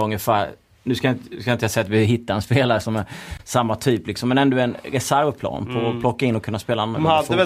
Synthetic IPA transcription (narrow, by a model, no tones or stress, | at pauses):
ɵŋːəfæːɾ | nʉ̟skajɪnt̪ːskajɪt̪əasɛjːat̪vɪɦɪt̪ːaɾɛnspeːlaɾəsɔmæsamːat̪ʰyːplɪksɔmːɛnɛnd̪oɛnɾɛsæɾvpʰlɑ̰ːnpʰɔpʰlɔkːaɪnːɔkʰɵnːaspeːlanːɛ